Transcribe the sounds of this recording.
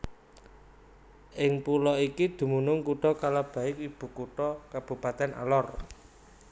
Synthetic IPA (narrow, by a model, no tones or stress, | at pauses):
ʔɪŋpulɔikid̪̥ṳmunʊŋkuʈɔkalab̥a̤ɪk̚ib̥ṳkuʈɔkab̥ṳpat̪ɛna̰lɔr